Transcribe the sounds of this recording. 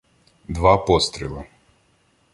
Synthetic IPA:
d̪vapɔst̪ɾilˠa

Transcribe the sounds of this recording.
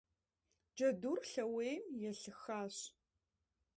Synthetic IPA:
d͡ʒɐdurɬɐweːmjɛɬɨxaːɕ

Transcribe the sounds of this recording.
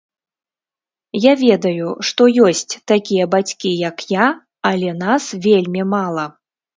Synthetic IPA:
javʲɛd̪ɐjuʂt̪ɔjɔsʲt͡sʲt̪akʲijɐbat͡sʲkʲijɐkja | ɐlʲɛnasvʲelʲmʲimalˠɐ

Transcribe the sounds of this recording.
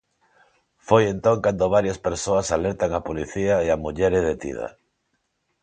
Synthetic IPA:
fojent̪oŋkand̪oβ̞aɾjaspeɾsoasaleɾt̪aŋapoliθiaeamuʎeɾeðet̪ḭð̞a̰

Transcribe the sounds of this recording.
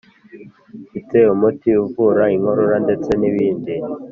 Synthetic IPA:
fite̞umutiuvuːɾaiŋho̞ɾo̞ɾande̞t͡se̞niβiːndi

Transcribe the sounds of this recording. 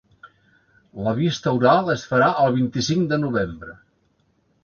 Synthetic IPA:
ləβ̞ist̪əuɾalˠəsfəɾaʔəlˠβ̞int̪isiŋd̪ənuβembɾə

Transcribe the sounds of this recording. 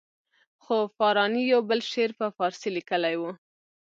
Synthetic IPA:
xofɑɾɑnijawbəlʃeɾpəfɑɾsilikəlajwu

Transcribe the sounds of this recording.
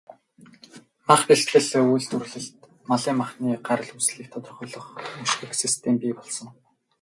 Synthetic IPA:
maχpiɬt̪ɮɘ̆ɮujɮt̪ʰurɮɘ̆ɬt̪ | maɮiːŋmaχniːɢaɾə̆ɮusɮiːk̚t̪ʰɔt̪ɞ̆rχʊːɮɞ̆χuʃxɘ̆ksist̪ʰempiːpɔɮsɞ̆ŋ

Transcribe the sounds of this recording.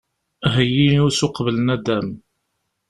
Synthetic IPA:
ɦəjːinʊsʊqvələnæd̪æm

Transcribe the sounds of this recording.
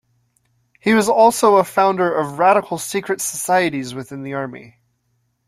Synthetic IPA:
hiwʌzɔlˠsoʊəfãʊ̃ndə˞ʔʌvɹæɾəkʰl̩ˠsikʰɹɨtsə̥saɪɨɾizwɨθɪ̃nðiɑɹmḭ

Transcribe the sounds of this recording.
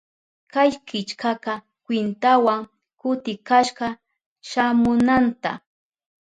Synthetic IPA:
kajkɪt͡ʃkɑqɑ | kwɪnt̪awaŋ | kʊt̪ɪkaʃɢɑ | ʃamʊnant̪a̰

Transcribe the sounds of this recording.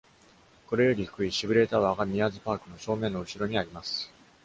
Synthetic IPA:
ko̞ɾe̞jo̞ɾʲihɯ̥kɯ̟iɕibɯ̟ɾe̞t̪aβaɡamʲiazɨpaːkɯ̟no̞ɕo̞ːmẽ̞nːoɯ̟ɕiɾo̞ɲ̟iaɾʲimasɨ̥

